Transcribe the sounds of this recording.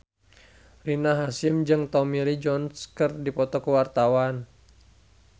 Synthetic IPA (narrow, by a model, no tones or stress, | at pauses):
rinaɦasimd͡ʒɨŋt̪ɔmilid͡ʒɔnskɨrdipɔt̪ɔkəwart̪awan